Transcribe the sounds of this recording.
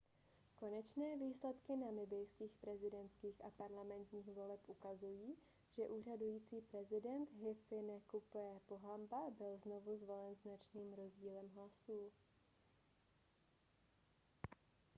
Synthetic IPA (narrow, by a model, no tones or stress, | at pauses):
ko̞nɛt͡ʃnɛːviːslɛt̪kɪnamɪbɪjskiːxpɾɛzɪdɛnt̪skiːxʔapaɾlamɛnt̪ɲiːxvo̞lɛpʔukazujiː | ʒ̥ɛʔuːr̝adujiːt͡siːpɾɛzɪdɛnt̪ɦɪfɪnɛkupɛpoɦambabɪlzno̞vuzvo̞lɛnznat͡ʃniːmɾo̞zɟiːlɛmɦlasuː